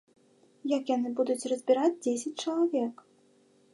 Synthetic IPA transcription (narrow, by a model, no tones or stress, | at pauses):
jakjanɨbud̪ut͡sʲrɐzʲbʲiɾad͡zʲd͡zʲesʲɐt͡sʲt͡ʂɐlˠavʲɛk